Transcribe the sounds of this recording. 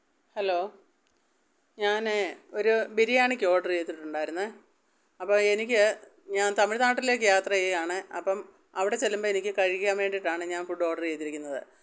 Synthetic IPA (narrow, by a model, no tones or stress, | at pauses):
hɐlo̞ː | ɲaːno̞ɾubiɾijaːɳɨkʲːo̞ːɖɐrt͡ɕe̞jt̪ːiʈːuɳɖaːjiɾunːɐ | ɐpːoːe̞nikʲːɨ | ɲaːnt̪ɐmːiɻt̪aːʈːile̞ːkːɨjaːt̪rɐjeaːɳɨɐpːɐm | ɐʋiɽe̞t͡ɕe̞lːumboenikʲːɨkɐɻikʲːaːnʋe̞ːɳɖiʈːaːɳɨɲaːnfuɖo̞ːʈɐrt͡ɕejt̪ːiɾikʲːunːɐðɨ̰